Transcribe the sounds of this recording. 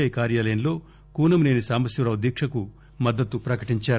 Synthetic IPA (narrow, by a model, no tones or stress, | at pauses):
ɐjkaːɾjaːlɐjɐnlo̞ː | kuːnɐmune̞ːnisaːmɐsjɐɾɐud̪jiːkʂɐku | mɐd̪ːɐt̪ːupɾɐkɐʈiɲt͡ʃaːɾ